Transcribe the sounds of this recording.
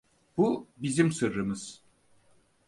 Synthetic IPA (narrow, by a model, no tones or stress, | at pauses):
b̥ubizimsɯɾːɯmɯz̥